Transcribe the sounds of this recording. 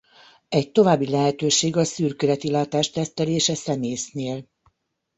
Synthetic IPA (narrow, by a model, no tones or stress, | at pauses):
ɛc̚t̪o̞vaːbːilɛɦɛt̪øːʃeːɡɒsyːrkøɾɛt̪ilaːt̪aːʃt̪ɛst̪ɛleːʃɛsɛmeːjsneːl